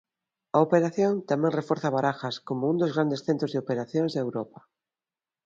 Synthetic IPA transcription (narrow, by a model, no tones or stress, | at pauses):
aopeɾaθjoŋt̪amẽŋrefoɾθaβaɾaxaskomoũnd̪ozɣɾand̪esθent̪ɾozðeopeɾaθjoŋzðewɾɔpa